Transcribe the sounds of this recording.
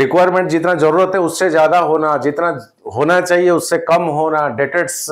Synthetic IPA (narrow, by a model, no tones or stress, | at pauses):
ɾɪkʋajɾmẽɳʈ̚d͡ʒɪt̪nad͡ʒəɾuːɾət̪eʊt̪sed͡ʒjaːd̪aɦonad͡ʒɪt̪na | ɦonat͡ʃaːɦieʊt̪sekəmɦonaɖeʈeʈs